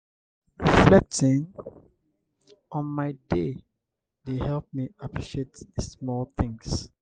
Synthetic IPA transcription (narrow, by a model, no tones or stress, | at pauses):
ɹiflɛk̚tɪ̃n | ʔɔ̃nmaɪde | dehɛlp̚miapʰɹiʃietsmɔlθɪ̃ŋs